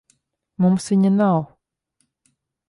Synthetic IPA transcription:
mumsviɲanaw

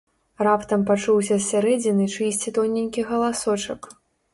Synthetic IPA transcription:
rapt̪ɐmpat͡ʂuwsʲɐsʲaɾɛd͡zʲinɨt͡ʂɨsʲt͡sʲit̪ɔnʲenʲkʲiɣɐlˠasɔt͡ʂɐk

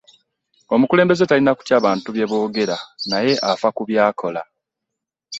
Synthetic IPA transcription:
o̞mukule̞ːmbe̞zetalinaku̥tjaːβaːntuβje̞βo̞ːɡe̞ɾanaje̞ʔafakuβjaːkʰo̞la

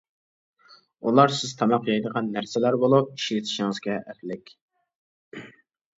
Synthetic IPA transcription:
ulˠɑɾsɪz̥t̪ʰɑmɑqʰjɑjd̪əʁɑnːæɾsɛlæɾbolˠup̚i̥ʃlɪt̪ʰɪ̥ʃiŋəz̥ɡʲɛʔæɾlɪkʲ

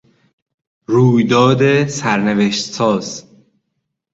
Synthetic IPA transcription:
ruːjd̪ɒːd̪esæɾneveʃt̪sɒːz̥

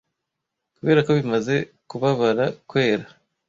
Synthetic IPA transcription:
kuβe̞ːɾako̞βimaze̞ | kuβaβaɾakwe̞ːɾa

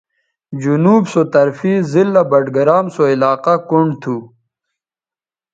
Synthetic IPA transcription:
d͡ʑunuːbsot̪ɐɾfizilːabɐɖɡɐɾaːmsoilaːqakuɳɖt̪ʰu

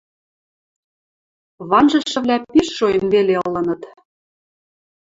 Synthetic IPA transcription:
βɑnʒɤ̆ʃɤ̆βlʲæpiʃːojə̆nβeleɤ̆lɤ̆nɤ̆t̪

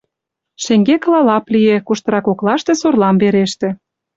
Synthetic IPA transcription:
ʃĕŋɡeklɑlɑplijekuʃt̪ɤ̆ɾɑkoklɑʃt̪ĕsorlɑmβeɾeʃt̪ĕ

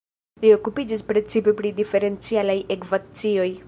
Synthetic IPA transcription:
lio̞kupid͡ʒispɾe̞t͡sipe̞pɾidife̞ɾe̞nt͡sialajekvat͡sio̞j

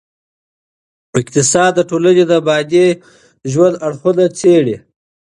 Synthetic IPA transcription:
ɪq̚t̪ɪsɑd̪ːəʈolaned̪aːbɑd̪e | ʒwand̪aɽxud̪at͡seɽi

